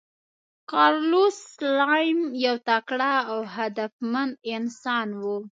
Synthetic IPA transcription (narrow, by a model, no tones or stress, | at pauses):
kɑɾluslɑjmjawt̪akɽaːwɦad̪afmand̪ɪnsɑnwu